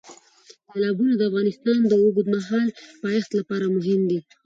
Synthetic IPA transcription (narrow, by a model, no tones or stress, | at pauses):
salɑbunad̪əafɣɑnɪst̪ɑnd̪əoɡud̪maɦɑlpɑjaxt̪lapɑɾamʊɦɪmd̪i